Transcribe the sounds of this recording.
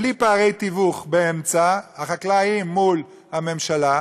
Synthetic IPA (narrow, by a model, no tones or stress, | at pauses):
lipaːʁejt̪ivuχbeemt͡sahaχaklaimːul | hame̞mʃala